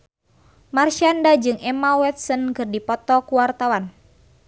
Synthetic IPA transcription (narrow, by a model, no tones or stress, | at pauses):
marʃandad͡ʒɨŋɛmawɛt̪̚sənkɨrdipɔt̪ɔkuwart̪awan